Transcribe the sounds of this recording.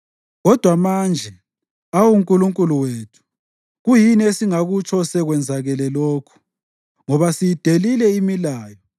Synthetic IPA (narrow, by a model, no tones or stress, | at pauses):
ɣɔd̥ʱwamand͡ʒʱɛ | awuŋkʼuluŋkʼuluweːtʰu̥ | ɣujiniesiŋaɣut͡ʃʰɔsɛɣwɛnd͡zʱaɣɛlɛloːkʰu̥ | ŋɔβasijid̥ʱelilɛimilaːjɔ